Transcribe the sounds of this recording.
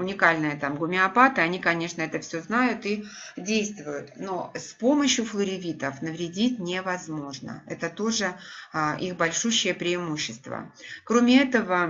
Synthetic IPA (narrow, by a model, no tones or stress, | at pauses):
ʊnʲɪkalʲnɨjət̪amɡʊmʲɪɐpat̪ɨɐnʲikɐnʲe̞ʂnəɛt̪əfsʲoznajʊt̪i | dʲejst̪vʊjʊt̪no̞spo̞məɕjʊflˠəɾʲɪvʲit̪əfnəvɾʲɪdʲitʲnʲɪvɐzmo̞ʐnə̰ɛt̪ət̪o̞ʐɨʔixbɐlʲʂuɕːɪjəpɾʲɪːmuɕːɪst̪və̰kɾomʲɪɛt̪əvə